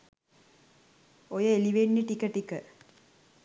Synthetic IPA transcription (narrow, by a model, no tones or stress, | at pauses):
ojəeliʋenːiʈikəʈikə